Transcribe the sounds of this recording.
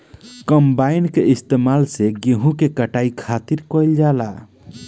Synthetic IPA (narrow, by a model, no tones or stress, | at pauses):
kəmbainkeist̪emalseɡeɦũkekəʈaikʰat̪iɾkɔjld͡ʒala̰